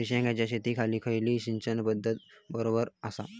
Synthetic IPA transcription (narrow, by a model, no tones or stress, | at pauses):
ɾiɕãŋɡat͡ɕaɕet̪iːkʰaliːkʰəjliːɕiɲt͡ɕənbəd̪ʱːət̪bəɾobəɾəsa̰